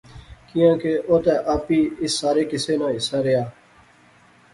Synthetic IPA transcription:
kɪjãːkeːʔoːt̪ɛːʔaːpiːɪsːaːɾeːkɪseːnãːɪsaːɾɪjaː

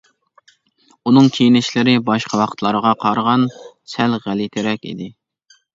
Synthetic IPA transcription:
unɨŋkʲʰejinɪʃlɪɾɪbɑʃqʰɑwɑqʰət̪ʰlˠɑɾəʁɑqʰɑɾʁɑn | sælʁælit̪ʰɪɾɛkʲḭd̪ɪ

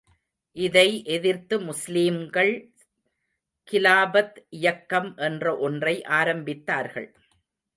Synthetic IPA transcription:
ʔɪðɐɪʔɛðɪɾt̪ːɯmʊsliːmɡɐɭ | kɪlaːbɐt̪ʔɪjɐkːɐmʔɛndrɐʔɔndrɐɪʔaːɾɐmbɪt̪ːaːɾɣɐ̰ɭ

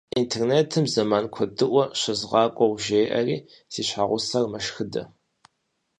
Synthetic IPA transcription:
intʰerneːtʰɨmzɐmaːnkʷʰɔdɨʔʷɔɕɐzʁɑːkʷʼɔwʒejʔɐ̰riː | siːɕħaːʁʷʊsɐrmɐʃxɨdɐ̰

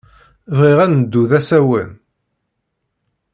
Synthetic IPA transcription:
vʁiʁænd̪ːuðæsæwən

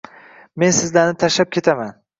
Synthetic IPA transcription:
me̞nsɪzlaɾnɪt̪ʰaʃlap̚kʲʰe̞t̪ʰaman

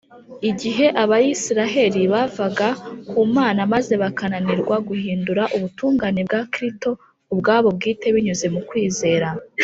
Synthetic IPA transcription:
iɟiɦe̞ʔaβajisiɾaɦe̞ɾiβavaɡakuːmaːnamaze̞βakananiɾɡwaɡuhiːnduɾaʔuβutuːŋɡanebɡakɾisto̞ | ubɡaːβo̞b̚ɡiːte̞βiɲuze̞mukwiːze̞ːɾa

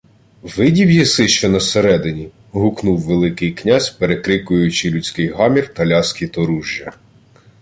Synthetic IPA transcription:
ʋɪdʲiwjisɪʃt͡ʃɔnɐseɾɛd̪ɪnʲi | ɦʊknuwːelˠɪkɪjknʲazʲpeɾekɾɪkʊjʊt͡ʃɪlʲut͡sʲkɪjɦɑmʲirt̪ɐlʲɑsʲkʲit̪ɔɾuʒʲjɐ

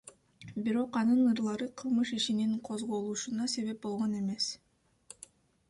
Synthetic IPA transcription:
biɾo̞qɑnɯnɯɾlˠɑɾɯqʰɯlˠmɯʃiʃiniŋqʰo̞zʁo̞lˠuːʃunɑse̞βe̞p̚bo̞lˠʁo̞ne̞me̞s

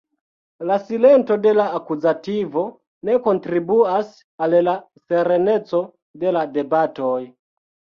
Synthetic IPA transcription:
lasilentode̞laːkuzativo | nekontɾibuas | alla | seɾenet͡so | deladebatoj

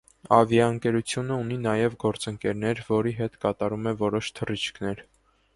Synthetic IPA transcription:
ɑvjɑəŋkɛɾut͡sʰjunəuninɑjɛvɡɔɾt͡səŋkɛɾnɛɾvɔɾiɦɛt̪kɑt̪ɑɾumɛvɔɾɔʃt̪ʰərit͡ʃʰkʰnɛɾ

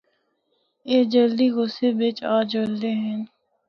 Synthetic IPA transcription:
eːd͡ʒəld̪iɡʊsebet͡ʃaːd͡ʒəld̪eɦɛ̃n

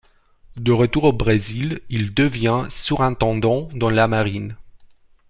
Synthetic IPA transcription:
d̪əʁət̪uʁobʁezilild̪əvjɛ̃syʁɛ̃t̪ɑ̃d̪ɑ̃d̪ɑ̃lamaʁin

